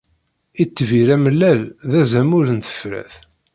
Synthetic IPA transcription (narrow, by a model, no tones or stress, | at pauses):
it͡sːviɾæməlːælðæzæmʊɾənθə̥fɾæ̰θ